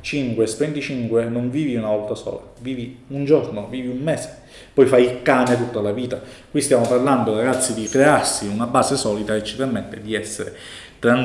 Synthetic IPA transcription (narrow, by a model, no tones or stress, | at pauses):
t͡ʃiŋkwest̪ɾent̪it͡ʃiŋkwenoɱviːviunavɔlt̪asɔ̰ːlaviːviund͡ʒornoviːviummɛːse̥ | pɔjfajilkaːnet̪ut̪ːalaviːt̪akwist̪jaːmoparland̪oaɾaɡat̪sːid̪ikɾearsiunabaːsesɔːlid̪aet͡ʃːipermet̪ːed̪iɛsːeɾe | t̪ɾaŋ